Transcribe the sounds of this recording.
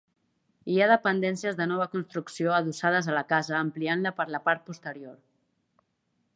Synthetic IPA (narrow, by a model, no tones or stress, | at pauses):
iaðəpənd̪ɛnsijəzðənɔβ̞əkunst̪ɾuksioəðusaðəzələkazəːmplianləpəɾləpaɾt̪̚pust̪əɾioɾ